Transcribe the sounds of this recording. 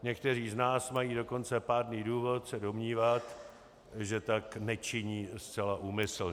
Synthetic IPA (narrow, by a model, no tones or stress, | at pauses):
ɲɛkt̪ɛriːznaːsmajiːdo̞ko̞nt͡sɛpaːdniːduːvo̞t̪sɛdo̞mɲiːvat̪ | ʒɛt̪aknɛt͡ʃɪɲiːst͡sɛlaʔuːmɪsl̩ɲ